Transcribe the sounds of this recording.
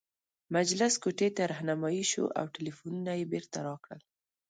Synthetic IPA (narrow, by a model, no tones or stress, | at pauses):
mad͡ʒlɪskoʈet̪aɾahnamɑjiʃo̰ʔa̰wʈɪlifununajebeɾt̪aɾɑkɽə̰l